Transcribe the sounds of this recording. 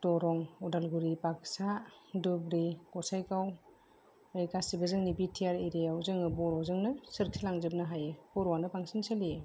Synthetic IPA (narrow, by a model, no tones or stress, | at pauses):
tɔɾɔŋudalɡuɾipak̚sadubɾikɔsajkaw | ejkasibazɯŋnibitʰijaɾeɾejawzɯŋɯbɔɾɔwzɯŋnɯsɯɾtʰilaŋzɯp̚nɯɦajebɔɾɔwanɯpaŋsinsalie